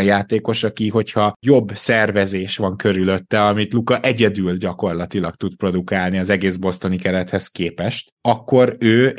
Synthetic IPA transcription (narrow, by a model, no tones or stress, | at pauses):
jaːt̪eːko̞ʃɒkiɦo̞chɒjo̞bːsɛrvɛzeːʃʋɒŋkø̞ɾylø̞t̪ːɛɒmit̪lukɒʔɛɟɛd̪ylɟɒko̞rlɒt̪ilɒkt̪ut̪pro̞d̪ukaːlniɒzɛɡeːzbo̞st̪o̞nikɛɾɛt̪hɛskeːpɛʃt̪ɒkːo̞ɾøː